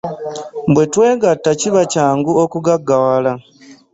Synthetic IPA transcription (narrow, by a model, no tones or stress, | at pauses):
bwe̞twe̞ːɡatːaciβacaːŋɡuokuɡaɡːawala